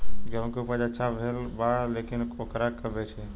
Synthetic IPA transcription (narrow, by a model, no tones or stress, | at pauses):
ɡəʋ̃kupəd͡ʒəːt͡ʃʰabʱelbalekinkokɾakəbet͡ʃʰe